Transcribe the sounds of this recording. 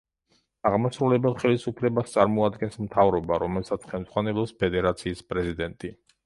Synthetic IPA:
aʁmasɾulɛbɛlˠχɛlisupʰlɛbast̪sʼaɾmɔad̪ɡɛnsmt̪ʰavɾɔbaɾɔmɛlˠsat̪sʰχɛlmnd̪zʁwanɛlˠɔspʰɛd̪ɛɾat̪sʰiːspʼɾɛzid̪ɛnt̪ʼi

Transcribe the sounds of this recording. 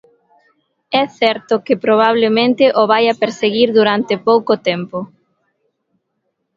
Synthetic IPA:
ɛθɛɾt̪okɪpɾoβ̞aβ̞lemẽnt̪ɪʔoβ̞ajapeɾseɣiɾðuɾant̪epowkot̪ɛmpo

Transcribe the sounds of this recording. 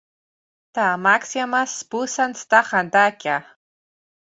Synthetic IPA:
t̪amaksjamaspusanst̪aχand̪akʲa

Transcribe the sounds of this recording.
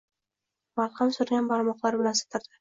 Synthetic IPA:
maɾqɑmsʊɾɡʲanbaɾmɒqlˠaɾbɪlansḁt̪ʰɪɾd̪ɪ

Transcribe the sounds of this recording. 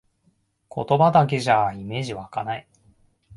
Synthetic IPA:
kʰo̞̰t̪o̞bad̪ak̬e̞ʑaime̞ːʑiβakanai

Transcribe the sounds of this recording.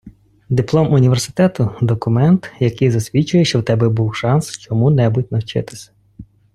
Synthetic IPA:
d̪ɪplˠɔmʊnʲiʋersɪ̥t̪ɛt̪ʊd̪ɔkʊmɛnt̪jɐkɪjzɐsʲʋʲit͡ʃʊjeʃt͡ʃɔwt̪ɛbɛbuwʃɑnst͡ʃɔmunɛbʊt̚ʲnɐwt͡ʃɪt̪ɪ̥sʲɐ̥

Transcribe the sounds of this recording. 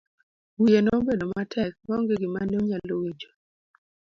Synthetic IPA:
wijenɔobedomatʰɛk̚maɔŋɡeɡɪmanoɲalowid͡ʒo̥

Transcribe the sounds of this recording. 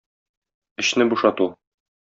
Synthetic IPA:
ɘ̆ɕnɘbuʃɑt̪u

